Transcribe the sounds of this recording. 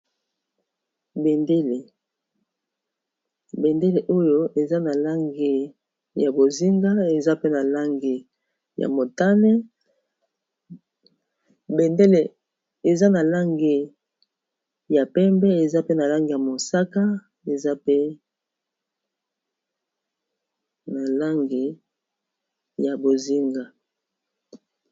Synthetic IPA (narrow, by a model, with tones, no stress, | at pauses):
be˨nde˦le˨ | be˨nde˦le˨ʔo˦jo˦ʔe˨za˦na˨la˦ŋɡe˨ | ja˨bo˨zi˦ŋɡa˦e˨za˦pe˦na˨la˦ŋɡe˨ | ja̰˨mo˨ta˦nɛ˦ | be˨nde˦le˨ | e˨za˦na˨la˦ŋɡe˨ | ja˨pɛ˦mbɛ˦e˨za˦pe˦na˨la˦ŋɡe˨ja˨mo˨sa˦ka˦ | e˨za˦pe˦ | na˨la˦ŋɡe˨ | ja˨bo˨zi˦ŋɡa˨